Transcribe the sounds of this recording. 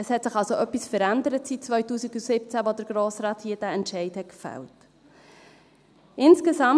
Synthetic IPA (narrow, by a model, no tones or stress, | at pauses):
əshɛtsɪχɑlsoʔœpːisfəɾændəɾətsit̚t͡svœʏtuːsiɡusɪp̚t͡sæʋod̪əɾɡ̥ɾoːsɾɑːthiːəd̥æɛntʃɛɪthɛt̚kfæ̰lt | ɪnskesɑm